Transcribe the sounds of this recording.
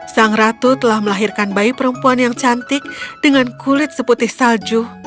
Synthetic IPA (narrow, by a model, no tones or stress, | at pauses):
saŋrat̪ut̪əlahməlaɦirkanbaipəɾəmpuanjaŋt͡ʃant̪ɪk̚d̥əŋankulɪt̪̚səput̪ɪhsald͡ʒu